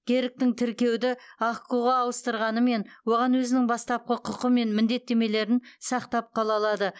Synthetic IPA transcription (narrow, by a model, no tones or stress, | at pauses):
kʲʰe̞ɾɪk̚t̪ɪŋt̪ʰɪɾkʲe̞wd̪ɪɑχquʁɑɑwəst̪əɾʁɑnəme̞nwo̞ʁɑnwɵzɪnɪŋbɑst̪ɑp̚qʰəqʰʊqəme̞nmɪnd̪e̞t̪ːe̞me̞le̞ɾɪnsɑqt̪ɑp̚qʰɑlˠɑlˠɑd̪ə